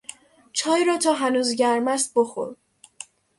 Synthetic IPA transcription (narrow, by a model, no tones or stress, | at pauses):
t͡ʃʰɒːjɾɒːt̪ʰɒːɦænuːzɟæɾmæst̪̚boxo̰ɾ